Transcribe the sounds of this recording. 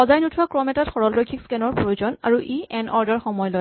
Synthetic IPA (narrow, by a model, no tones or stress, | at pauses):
xɔzajnutʰʊwakɹɔmɛtatxɔɹɔllojkʰikskɛnɔɹpɹojuzɔna̰ɹuʔiɛnɔɹdaɹxɔmɔjlɔj